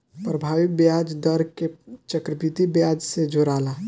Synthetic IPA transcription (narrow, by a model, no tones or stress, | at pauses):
pɾəbʱaʋik̚bjad͡ʒd̪əɾket͡ʃəkɾəpit̪ibjad͡ʒsed͡ʒʱoɾala